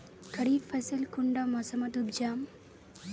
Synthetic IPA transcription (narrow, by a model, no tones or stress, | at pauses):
kɐɽifʰɐsɐlkuɳɖamɔsɐmɐt̪ubd͡ʒaːm